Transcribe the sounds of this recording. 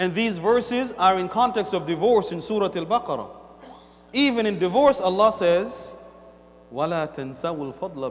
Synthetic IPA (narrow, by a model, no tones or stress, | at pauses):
ɨ̃nðiːzvɜ˞sɪzə˞ɨ̃nkʰɑ̃ntɛkstʌvdɨvɔɹsɨ̃nsuːɾɑtalbɑqɑɾˤɑ̰ | ivɨ̃nɨ̃ndɨvɔɹsɑlˠːɑsɛz | walaːt̪ʰansawɪlfɑd̪ˤl